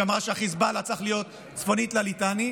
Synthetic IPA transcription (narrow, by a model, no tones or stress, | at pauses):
amʁaʃeaχizbalat͡saχlijo̞t̪ | t͡sfo̞nit̪lalit̪ani